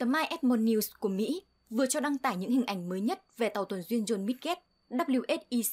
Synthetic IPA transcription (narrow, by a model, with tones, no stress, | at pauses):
t̪əː˨˦maː˧jʔɛ˦˥t̚mɔ˧nːi˧wsku˧˩əmḭ˧˥ | vɨ˨˩ət͡ɕɔ˧ɗa˧ŋt̪aː˧˩jɲɨ̰˧˥ŋhï˨˩ŋ̟ʔa˧˩jŋ̟məː˨˦jɲə˦˥t̚ve˨˩t̪a˨˩wt̪ʰwə˨˩nzwi˧ənzo˧˩nmi˦˥t̚kɛ˦˥t̚ | ɗaː˦˥p̚li˧əwʔe˦˥t̚ʔi˧